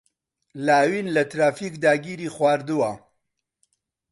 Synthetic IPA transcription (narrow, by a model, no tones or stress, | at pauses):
laːwinlɐt̪ɾaːfikd̪aːɡiːɾiːχwaːɾd̪uwɐ